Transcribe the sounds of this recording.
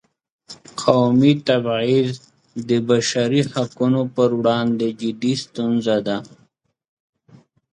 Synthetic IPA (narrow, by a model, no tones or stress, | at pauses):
qʰawmit̪abiz | d̪əbaʃaɾihakunopəɾwɽɑnd̪ed͡ʒɪd̪ist̪unzad̪a